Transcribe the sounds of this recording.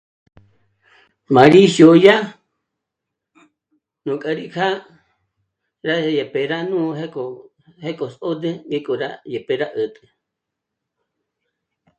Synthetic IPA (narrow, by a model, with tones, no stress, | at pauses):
mã˨ɾi˦sjo˧ja˦ | nũ˨kʼa˧ɾi˦kʰa˦ | ɾa˦je˨pe˨ɾa˦nũ˦ɦe˦ko | he˦kʼo˨so˦d̪e˦ɡe˦kʼo˨ɾa̰˦je˨pe˨ɾa˦ʔə˨t̪ʼɨ̥˨